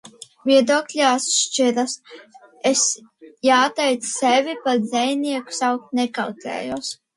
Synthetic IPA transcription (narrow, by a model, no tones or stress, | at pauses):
vʲiɛd̪uɔklʲaːsʃt͡ʃiɾas | esjaːt̪ɛjt̪ssevʲipad̪zɛjnʲiɛku̥sawk̚t̪nɛkawt̪ʲlʲɛ̰ːjuɔs